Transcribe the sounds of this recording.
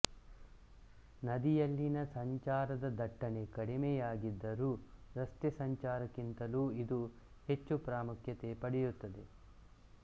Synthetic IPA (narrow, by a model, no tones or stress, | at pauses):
nɐd̪ijɐlːinɐsɐɲt͡ʃaːɾɐd̪ɐd̪ɐʈːɐne̞kɐɽimejaːɡid̪ːɐɾuːɾɐst̪esɐɲt͡ʃaːɾɐkint̪ɐluːid̪u | he̞t͡ʃːupɾaːmukʰjɐt̪e̞pɐɽɛjut̪ːɐd̪e̞